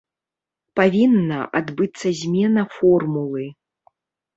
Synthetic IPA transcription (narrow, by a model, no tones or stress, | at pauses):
pavʲinːɐ̰ʔad̪bɨt̪sːɐzʲmʲɛnɐfɔrmulˠɨ